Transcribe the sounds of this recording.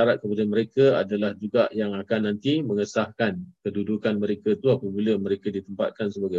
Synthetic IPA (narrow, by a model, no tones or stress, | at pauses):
aɾat̪̚kəpadaməɾekəa̰dalahd͡ʒuɡaʔjaŋakanːãnt̪imə̃ŋəsahkankədudukanmə̃ɾekət̪uapabiləmə̃ɾekadit̪əmpa̰t̪̚kansəbaɡa